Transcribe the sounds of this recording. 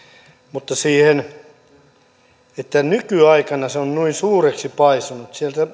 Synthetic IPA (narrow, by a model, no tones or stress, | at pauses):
mut̪ːɑsiːhen | et̪ːænykyɑikɑnɑseonnuinsuːreksipɑisunut̪sielt̪æ